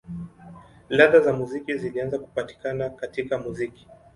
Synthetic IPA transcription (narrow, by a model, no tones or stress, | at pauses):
laðazamuzikizilianzaku̥pati̥kanakatikamuziki̥